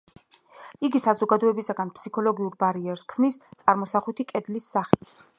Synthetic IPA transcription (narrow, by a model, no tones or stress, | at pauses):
iɡisazɔɡad̪ɔɛbisaɡanpʰsikʰɔlɔɡiuɾbaɾiɛɾskʰmnist̪sʼaɾmɔsaχwut̪ʰikʼɛd̪lisːaχit̪ʰ